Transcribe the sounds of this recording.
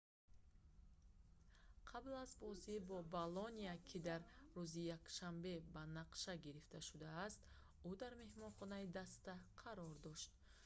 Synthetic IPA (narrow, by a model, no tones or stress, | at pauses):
qʰablazbɔzibɔbalɔniakʰid̪aɾːuzijakʃambe̞banaqʃaɡiɾift̪ʰaʃud̪aːst̪ | ud̪aɾme̞hmɔnχɔnaid̪ast̪aqʰaɾɔɾd̪ɔʃt̪